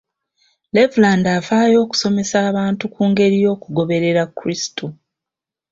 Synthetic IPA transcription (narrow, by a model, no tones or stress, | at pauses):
le̞vulaːndafaːjo̞ːku̥so̞me̞saːβaːntukuːŋɡe̞ɾijo̞ːkuɡo̞βe̞ɾe̞ɾakːuɾistʰu